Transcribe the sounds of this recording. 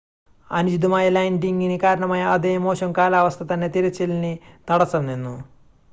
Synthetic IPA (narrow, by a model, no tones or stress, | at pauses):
ɐnud͡ʑid̪umaːjɐlɐjɳɖiŋɡinikaːɾɐɳɐmaːjɐɐd̪eːmo̞ːɕɐmkaːlaːʋɐst̪ʰɐt̪ɐnːe̞t̪iɾɐt͡ɕːilninɐɽɐsɐmninːu